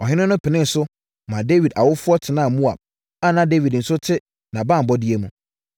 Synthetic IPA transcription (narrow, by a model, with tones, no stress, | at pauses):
ɔ˨hɪ˦nʊ̃˦nʊ̃˦pʰɪ˨nɪ̃˦n̩˨sʊ˦ | mã˨de˦wi˨da˨wʊ˦fʊ˦ɔ˦tʰɪ˨nãː˦˨mũ˦a̰˨ | a˦nã˨de˦wi˨dn̩˨sʊ˦tʰɪ˦ | nã˨bã˦m̩˨bɔ˦di˦e˦mũ˨